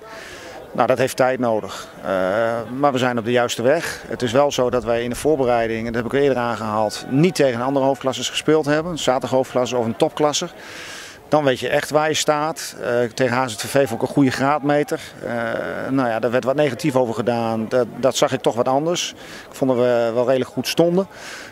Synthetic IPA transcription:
no̰wdɔtɦejftːɛjtnowdəx | əmaːɹʋəzɛjnɔb̚dəjœɥstəʋɛxətɪsʋɛlˠzowdɔtʋəjɪndəv̥ʊːɹbərɛjdɪŋndɔtɦɛbɪkɪədəaːnχəɦaːlˠtnitʰːejɣənəɑndərəɦoːfklɑsəsχə̥spɪːlˠtɦɛbənənsaːtəɦowfklɑsəɔfəntɔp̚klɑsə | d̥ɑnʋejtjəʔɛχtʋaːɹjəstaːttejɣənaːsɛtefejfɔnɪkənχujəχraːtmejtəɹ̰ | nowjadəɹʋɛɹtʋɑtnejχatifowvəɹχədaːnddɔtsɑχɪk̚tɔχʋɑtɑndəɹs | kfɔndəʋəʋɛlˠrejdələkχutstɔndə

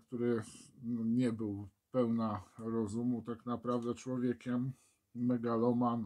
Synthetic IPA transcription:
kt̪uɾɘ | ɲɛbɘwpɛwnaɾɔzumut̪aknapɾavd̪ɛt͡ʂwɔvʲjɛkʲɛmː | ɛɡalɔman

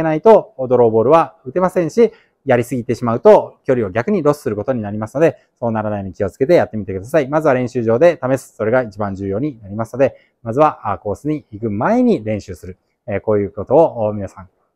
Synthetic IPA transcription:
enait̪o̞ːd̪o̞ɾo̞ːbo̞ːɾɯ̟βaɯ̟t̪e̞masẽ̞ɰ̃ɕi | jaɾʲisɨɡʲit̪e̞ɕimaɯ̟t̪o̞kʲo̞ɾʲio̞ɡʲakɯ̟ɲ̟iɾo̞sɨ̥sɨɾɯ̟ko̞t̪o̞ɲ̟inaɾʲimasɨ̥no̞d̪e̞ | so̞ːnaɾanaijoɲikʲio̞t͡sɨ̥ke̞t̪e̞jat̪ːe̞mʲit̪e̞kɯ̟d̪asaimazɨβaɾẽ̞ɕɨːʑo̞ːd̪e̞t̪amesɨ̥so̞ɾe̞ɡait͡ɕibãɲ̟d͡ʑɨːjo̞ːɲ̟inaɾʲimasɨ̥no̞d̪e̞ | mazɨβaʔako̞ːsɨɲ̟iikɯ̟mae̞ɲ̟iɾẽ̞ɰ̃ɕɨːsɨɾɯ̟ | eko̞ːjɯ̟ːko̞t̪o̞ːʔmʲinasãŋ

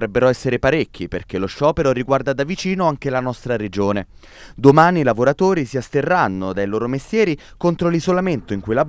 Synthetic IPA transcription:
ɾɛbːeɾɔɛsːeɾepaɾekʲːiperk̟eloʃːɔːpeɾoriɡward̪ad̪avit͡ʃiːnoaŋkelanɔst̪ɾaɾed͡ʒoːne | d̪omaːniːlavoɾat̪oːɾisiast̪erːanːod̪ajloːɾomest̪jɛːɾi | kont̪ɾolizolament̪oiŋkujla

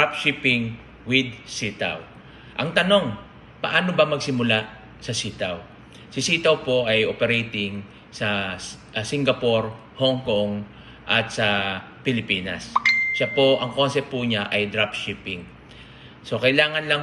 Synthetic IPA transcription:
ap̚ʃipɪŋ | wɪd̪̚sit̪a̰w | ʔɐŋt̪ɐno̞ŋ | pɐʔaːnobɐmɐɡsɪmʊla | sɐsiːt̪aw | sɪsit̪ɐwpo̞ʔɐjʔopɛɾɛjt̪ɪŋ | sɐ | sɪŋɡɐpo̞ɾ | hoŋkoŋ | ʔɐt̪sɐ | pɪlɪpiːnɐ̰sʃapo̞ʔɐŋko̞nsɛpt̪̚pʊɲaʔɐjd̪ɾapʃipɪŋ | so̞kɐjlaːŋɐnlɐŋ

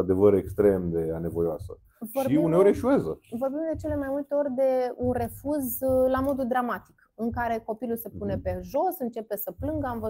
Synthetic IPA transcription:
ad̪e̞vəɾekst̪ɾe̞md̪e̞ane̞vojoa̰sə̰ | voriuneoɾʲeʃue̞zə̰vo̞rbimd̪e̞t͡ʃe̞le̞majmult̪eo̞rʲd̪e̞unre̞fuzlamo̞d̪ud̪ɾamat̪i̥k | ɨŋkaɾe̞ko̞piluse̞pune̞pe̞ʒo̞sɨnt͡ʃe̞pe̞səplɨŋɡəamvə

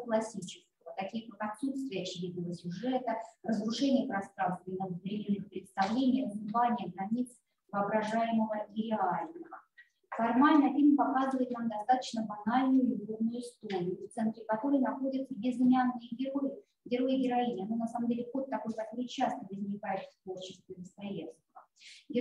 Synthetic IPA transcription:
klˠɐsʲit͡ɕɪskəvət̪ɐkʲijəkakɐt̪sut̪st̪vʲɪjəːt͡ɕɪdʲid̪nəvəsʲʊʐɛt̪ərəzɾʊʂɛnʲɪjəpɾɐst̪ɾanst̪vʲɪnəvɾʲɪmʲenːɨxpɾʲɪt̪st̪avlʲenʲɪjəzɨvanʲɪjəɡɾɐnʲit̪s | vəːbɾɐʐajɪməvəʔiɾʲɪalʲnəvə | fɐrmalʲnəfʲilʲmʲpɐkazɨvəjɪt̪namd̪ɐst̪at̪ə̥t͡ɕnəbɐnalʲnʊjʊɪɡlovnʊjʊɪst̪oɾʲɪjʊft̪sɛnt̪ɾʲɪkɐt̪o̞ɾɨjnɐxo̞dʲət̪jʲɪzɨmʲanːɨjəɡʲɪɾoj | ɡʲɪɾojɪɡʲɪɾɐinʲɪɐnonɐsaməmdʲelʲɪxo̞t̪ːɐko̞jpɐɪt͡ɕast̪əvəzʲnʲɪkajɪt̪st̪vo̞rt͡ɕɪ̥st̪vʲɪəd̪əst̪ɐjet̪sk̪əvə | ɡʲɪ

